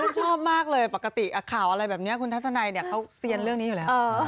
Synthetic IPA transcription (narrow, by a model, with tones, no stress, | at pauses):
a˥˩t͡ɕʰɔː˥˩p̚maː˥˩k̚lɤː˧jpa˨˩ka˧t̪i˨˩ʔa˧kʰaː˨˩wʔa˧ɾa˧jbɛː˨˩p̚ni˦˥ɐkʰu˧nt̪a˦˥t̪̚sʰa˧na˧jni˥˩ɐkʰa˦˥wsi˧ənɾɯ˥˩əŋniː˦˥ju˨˩lɛː˦˥˧